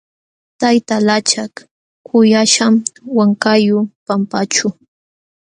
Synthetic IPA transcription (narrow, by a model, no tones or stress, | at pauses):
t̪ajt̪alat͡ʃak | kʰʊjaʃamwaŋkajʊpampat͡ʃʊ